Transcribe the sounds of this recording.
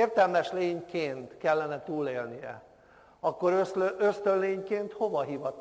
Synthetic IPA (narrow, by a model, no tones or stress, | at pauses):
eːrt̪ɛlmɛʃleːɲkeːnt̪kɛlːɛnɛt̪uːleːlnijɛ̰ | ɒkːo̞ɾøsøst̪ønleːɲkeːnt̪ho̞vɒɦivɒt̪